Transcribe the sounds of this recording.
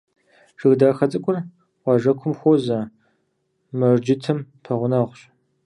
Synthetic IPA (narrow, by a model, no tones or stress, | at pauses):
ʒ̥ɨɣdaːxɐt͡sʼɨkʷʼʊr | wʷɑːʒɐkʷʰʊmxʷozɐ | mɐrd͡ʒɪtʰɨmpʰɐʁʷʊnɐːʁʷɕ